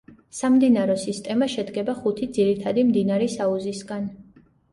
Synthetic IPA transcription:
samd̪inaɾɔsist̪ʼɛmaʃɛd̪ɡɛbaχut̪ʰid̪ziɾit̪ʰad̪imd̪inaɾɛsauzisɡan

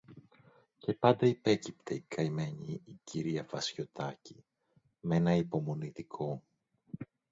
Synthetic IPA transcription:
ce̞pɐnd̪ɐipe̞cip̚t̪ʰe̞ikɐime̞ɲiːciɾiɐvɐsço̞t̪ʰɐci | me̞nɐipo̞mo̞nit̪ikʰo̞

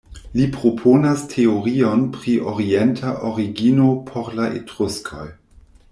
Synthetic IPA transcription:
lipɾo̞pʰonastʰe̞oɾio̞npɾiʔoɾientʰaʔoɾiɡinopʰoɾlaḛtɾuskʰo̰j

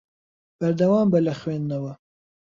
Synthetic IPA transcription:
b̥ɐɾd̪ɐwɑːmbɐlɐxweːnd̪nɐwɐ

